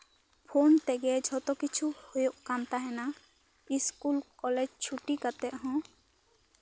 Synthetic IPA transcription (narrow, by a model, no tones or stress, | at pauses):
pʰont̪ɛɡɛd͡ʒʱɔt̪ɔkit͡ʃʰuhojoʔkant̪aɦɛna | iskulkɔlɛd͡ʒt͡ʃʰuʈikat̪ɛʔ̪̚ɦɔ̃